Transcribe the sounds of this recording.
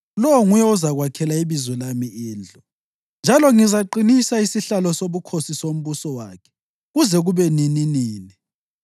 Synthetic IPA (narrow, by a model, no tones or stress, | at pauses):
lɔwɔŋujɛuzaɣwakʰɛlaiβizwɛlamiiːnd͡ɮʱɔ | nd͡ʒʱalɔŋizaǃinisaisiɬalɔsoβukʰosisom̩βusɔwaːkʰɛ̥ | ɣuzɛɣuβɛnininiːni